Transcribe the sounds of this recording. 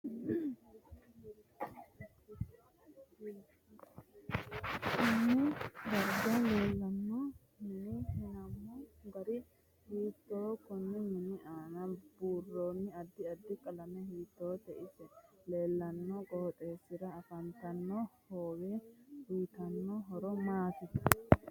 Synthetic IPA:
kɪnːɪd̪ɐɾd̪ɐle̞ːlːɐnːɔ | mɪnɪhɛnɐmːɔɡɐɾɪ | hiːt̪ːoːkʊnːɛmɪnɪʔaːnɐb̥uːrːoːnːɪɐd̪ːɪɐd̪ːɪkʼɐlɐmɛhiːt̪ːoːt̪ɛʔɪsɛle̞ːlːɐnːɔkʼɔhɔt̪ʼe̞ːsːɪɾɐːfɐnt̪ɐnːɔhoːwehʊjt̪ɐnːɔɦɔɾɔmaːt̪ɛ

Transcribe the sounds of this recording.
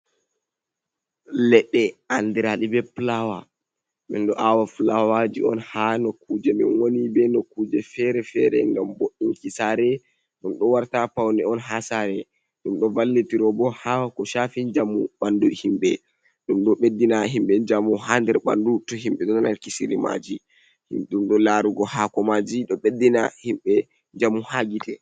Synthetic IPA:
lɛɗːɛʔandiɾaɗibɛplawa̰ | mɛnɗɔʔawaflawad͡ʒḭɔnhanɔkud͡ʒɛmɛ̰nwonibɛnɔkuːd͡ʒɛfɛɾɛfɛɾɛ̰ŋɡamboɗːinkisaɾɛ | ɗumɗɔwaɾtapawnɛɔnɦasaɾɛ | ɗumɗɔvalːitiɾɔbɔhakɔʃafiɲd͡ʒamːṵɓanduhimɓɛ | ɗumɗɔɓedːinaɦimɓɛd͡ʒamuɦandɛɾɓa̰ndutɔɦimɓɛɗɔnnankisiɾima̰d͡ʒi | hḭɗumɗɔlaɾuɡɔhakɔmad͡ʒiɗɔɓedːinahimɓɛ | ɲd͡ʒamuhaɡitɛ

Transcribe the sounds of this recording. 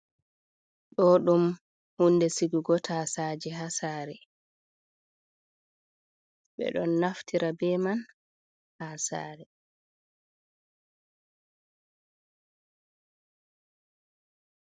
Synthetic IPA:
ɗɔɗum | hunːdɛsiɡuɡɔtʰasaːd͡ʒɛɦasaːɾɛ | ɓɛ̰ɗɔnːaftʰiɾabɛman | hasa̰ːɾɛ

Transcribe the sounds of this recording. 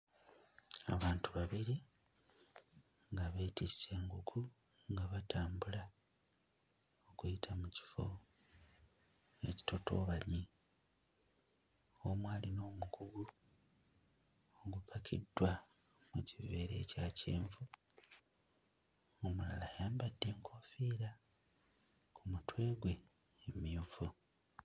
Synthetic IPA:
a̰βaːntuβaβiɾi | ŋɡaβetise̞ːŋɡukʰu | ŋɡaβatʰaːmbula | okujitʰamuci̥fo̞̰ | e̞ci̥to̞to̞̰ːβaɲi | omwaːlino̞ːmukuɡu | oɡupʰakʰidːwa | mucive̞ːɾe̞̰ːcaːceːɱvu | omula̰lajaːmbadːe̞ːŋkʰo̞ːfiːɾa | kʰumutwe̞ːɡwe̞ː | miovu

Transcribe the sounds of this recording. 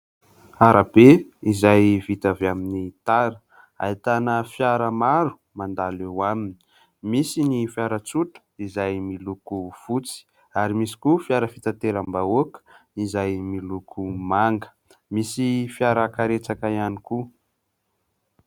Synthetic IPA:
aɾʔabeizajvit̪aveaminit̪aɾə̥ | a̰it̪anəfjaɾəmaɾu̥ | mand̪alewamini̥ | misinifjaɾət͡suʈ͡ʂə̥izajmilukufut͡si̥ | aɾimisi̥kufjaɾəfit̪at̪eɾambaokə̥izajmilukʰumaŋɡə̥ | misifiaɾakaɾet͡sakaianiku

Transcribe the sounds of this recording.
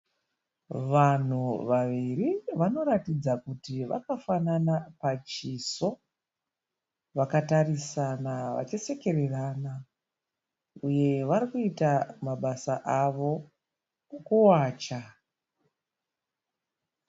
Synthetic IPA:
ʋan̤uʋaʋiriʋano̞ɾatid͡zakutiʋa̰kafananapat͡ʃiso̞ | ʋakatarisanaʋa̰t͡ʃese̞ke̞rerana | uje̞ʋaɾikuitamaɓasaʔaʋo̞ | kuwaːt͡ʃa

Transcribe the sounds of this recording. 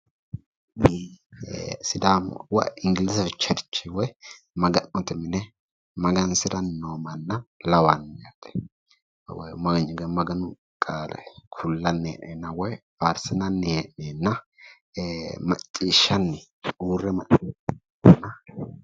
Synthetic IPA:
sɪd̪am̰wɐ̰ɪŋɡɪlɪsɐfɛt͡ʃːɐɾɪt͡ʃːɪwɔj | mɐɡɐnːɔt̪ɪmɪnɛ | mɐɡɐnsɪɾɐnːoːmɐnːɐlɐwɐnːjat̪ɛ̥ | wɔjmɐɡɐɲɪɡɛmɐɡɐnʊ | kʼaːlɛ̰kʰʊlːɐnːɛʔɛnːɐwɔj | faɾsɛnɐnːɛʔenːɐ | mɐt͡ʃʼːiːʃːɐnːɪ | uːrɛmɐt | nɐ

